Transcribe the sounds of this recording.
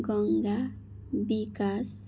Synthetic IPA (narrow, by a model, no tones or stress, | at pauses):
koŋɡa | bikas